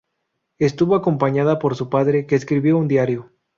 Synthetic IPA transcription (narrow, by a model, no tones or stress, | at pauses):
e̞st̪uβoako̞mpaɲaðapo̞ɾsupaðɾe̞ke̞ːskɾiβjo̞und̪jaɾjo̞